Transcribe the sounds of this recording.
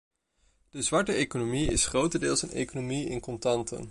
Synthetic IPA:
d̥əzʋɑɹtəejkonomiɪ̰sχrowtədɪːlˠsənḛjkonomiɪ̰nkɔntɑntə̰n

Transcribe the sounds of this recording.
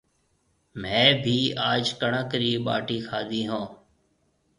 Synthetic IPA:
mɛ̃ːbʱiːaːd͡ʒkəɳãːkɾiːɓa̰ːʈiːkʰaːd̪iːɦõː

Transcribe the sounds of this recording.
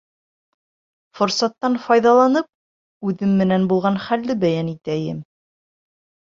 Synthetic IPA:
fŏɾsɑt̪ːɑnfɑjðɑlˠɑnɤp̚ | ʉðɘmːɘ̆nænbulˠʁɑnχælːɘbæjænit̪æjɘm

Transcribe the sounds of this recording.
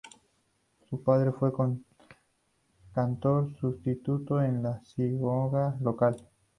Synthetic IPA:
supaðɾefweko | kant̪oɾsust̪it̪ut̪oenlasiɣoɣalokal

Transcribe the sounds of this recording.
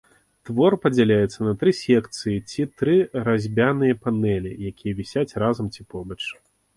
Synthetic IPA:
t̪vɔrpɐd͡zʲalʲajɛt̪sːɐnɐt̪ɾɨsʲɛkt̪sɨjit͡sʲit̪ɾɨɾazʲbʲanɨjɐpanɛlʲijakʲijɐvʲisʲat͡sʲrazɐmt͡sʲipɔbɐt͡ʂ

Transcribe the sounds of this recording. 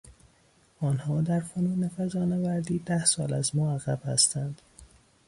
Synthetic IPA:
ɒːnhɒːd̪æɾfonuːnefæzɒːnevæɾd̪iːd̪æhsɒːlæzmɒːæɣæb̥hæ̰st̪ʰænd̪̥

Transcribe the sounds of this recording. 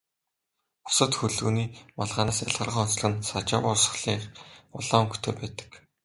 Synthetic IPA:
ʊ̥sə̆t̪xɵɮṵːniːmaɮʁaːnːsaɮʁə̆rʁaːɔnsɮə̆ɘ̆nsat͡ɕawʊsə̥̆χɮiːχʊɮaːŋɡu̥t̪ʰeːpæːt̪ə̥̆k

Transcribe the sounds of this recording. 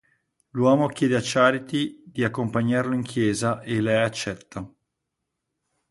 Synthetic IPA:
lwɔːmokjɛːd̪eat͡ʃːaːɾit̪id̪iakːompaɲːarloiŋkʰjɛːzaʔelːɛjat͡ʃːɛt̪ːa

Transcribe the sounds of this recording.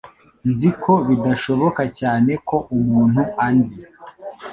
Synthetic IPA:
nzikʰo̞βidaʃo̞βo̞kacaːne̞ko̞ʔumuːn̥huanzi

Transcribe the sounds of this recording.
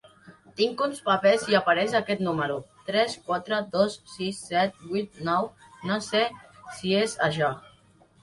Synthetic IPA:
t̪iŋkunspapɛziəpaɾɛʃəkɛt̪numəɾut̪ɾɛskwat̪ɾəðosːisːɛt̪̚bujt̪̚nɔw | nasesiezaʃɔ

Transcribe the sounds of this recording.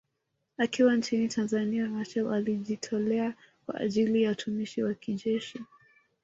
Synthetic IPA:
akiwant͡ʃinitʰanzaniamaʃɛlaliʄitʰɔlɛa | kwa̰ʔːʄilijautʰumiʃiwakiʄɛʃi

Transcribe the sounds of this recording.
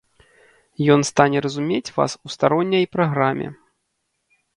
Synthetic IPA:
jɔnst̪anʲɛɾɐzumʲet͡sʲva̰sust̪aɾɔnʲːɐjpɾaɣɾamʲɛ̰

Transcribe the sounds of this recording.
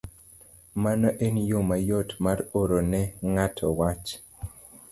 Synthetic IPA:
manɔʔenjomajotmaroɾonɛŋatʰɔwat͡ʃ

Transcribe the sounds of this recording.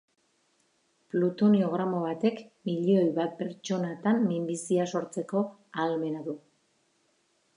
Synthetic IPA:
plut̪o̞nio̞ɣ̞ɾamo̞β̞at̪e̞kmiʎeo̞jβat̪̚pe̞ɾt͡ʃo̞nat̪amːimbisiaso̞ɾt͡se̞ko̞ | alme̞naðu

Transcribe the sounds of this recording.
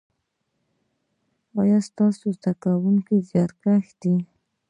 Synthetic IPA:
ɑjɑst̪ɑsozd̪akawuŋkizjɑt̪kaxd̪i

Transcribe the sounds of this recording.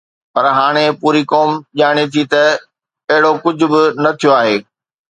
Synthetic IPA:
pɐɾɦaːɽ̃epuːɾikoːmʄaːɽ̃et̪ʰit̪ɐ | ɐɦɪɽokʊd͡ʑʱʊ̆bɪnɐt̪ʰijoaːɦeː

